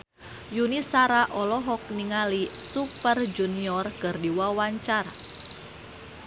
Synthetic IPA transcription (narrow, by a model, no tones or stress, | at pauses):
junisaɾaʔɔlɔɦɔk̚niŋalisupərd͡ʒuniɔrkɨrdiwawaɲt͡ʃar